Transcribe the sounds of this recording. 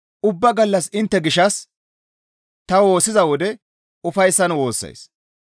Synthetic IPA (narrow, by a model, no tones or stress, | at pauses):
ʔʊbːɐɡɐlːɐsɪnt̪ːɛɡɪʃːɐs | t̪ɐwo̞ːsːɪzɐwɔd̪ɛ | ʊfɐjsːɐnwo̞ːsːɐ̰js